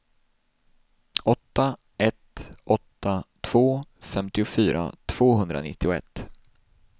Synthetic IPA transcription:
ɔt̪ːa | ʔɛt̪ʔɔt̪ːat̪ʰv̥oːfɛmt̪ɪʊfyːɾʔa̰t̪ʰv̥oːɦɵnd̪ɾa̰nɪ̰t̪ːɪʊɛ̰t̪ː

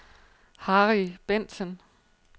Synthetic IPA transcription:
hɑːʁib̥en̰sən

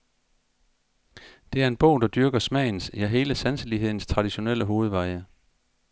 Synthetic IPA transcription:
d̥e̝æɐe̝nb̥ɔ̰ʊ̰d̥ɑ̈d̥yɐɡ̥ɐsmɛ̰ɪ̰n̩sjæɦe̝ːləsænsəliɦe̝ð̞̰ˠn̩st͡sʰʁɑ̈d̥iɕo̝nel̰əɦo̝ːð̞̩ˠʋɑ̈ɪə

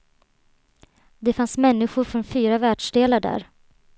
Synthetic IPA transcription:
d̪ɛfansmɛnːɪɧʊɾfɾɔnfyːɾavæːɖʂɖeːlaɖæ̰ːɾ

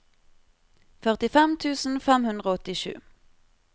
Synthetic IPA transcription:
fœʁt̪ɪfɛmt̪ʰʉːsn̩fɛmhʉnd̪ʁəɔt̪ɪʃʉ̰ː

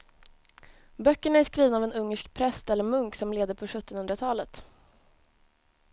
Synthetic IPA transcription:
bœkːəɳaæʂkɾiːvənavɛnɵŋːəʂkpʰɾɛst̪ɛlːəɾmɵŋksɔmleːd̪əɾpʰɔɧɵt̪ːɔnhɵnd̪ɾat̪ʰɑːlət̪

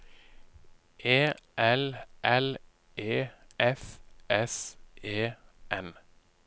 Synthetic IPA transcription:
ʔeːʔɛlʔɛl | ʔeːʔɛfʔɛseːʔɛn

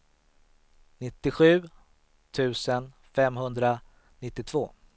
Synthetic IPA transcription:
nɪt̪ːɪɧʉ̟ː | t̪ʰʉ̟ːsən | fɛmɦɵnd̪ɾa | nɪt̪ːɪt̪ʰv̥oː

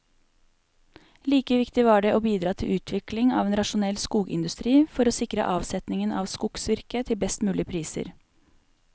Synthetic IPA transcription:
liːkəʋɪkt̪ɪʋɑːɖɛʔoːbiːd̪ɾɑːt̪ʰɪlʉːt̪ʰʋɪklɪŋɑ̰ːʋeːnɾɑʃʊnɛlːskuːɡɪ̰nd̪ʉst̪ɾiːfɔɾoːsɪkɾə̰ʔɑːʋsɛt̪nɪŋənʔɑ̰ːʋskʊksʋɪɾkət̪ʰɪlbɛst̪mʉːlɪpʰɾiːsə̰ɾ

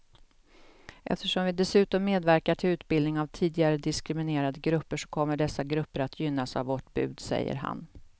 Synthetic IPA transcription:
ʔɛ̰ft̪əʂɔmvɪd̪ɛsʉ̟ːt̪ɔmːeːd̪væɾkaʈʰɪlʉ̟ːt̪bɪld̪nɪŋavt̪ʰiːd̪ɪɡaɾəd̪ɪskɾɪmɪneːɾad̪əɡɾɵpːəʂɔ̥kʰɔmːəɖɛsːaɡɾɵpːəɾat̪ʰjʏnːasa̰vvːɔʈbʉ̟̰ːd̪sɛ̰jːə̰ɾɦa̰n

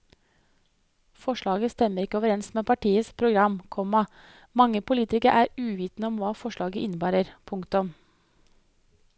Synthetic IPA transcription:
fɔʂɭɑːɡəst̪ɛmːəɾɪkːəoːʋəɾɛnsmeːpʰɑʈiːəspʰɾʊɡɾɑmkʰɔmɑ | mɑŋːəpʊliːt̪ɪkəɾʔæːɾʉːʋiːt̪nəɔmʋɑːfɔʂɭɑːɡəʔɪnəbæːɾəɾpʰʊŋkt̪ʊm

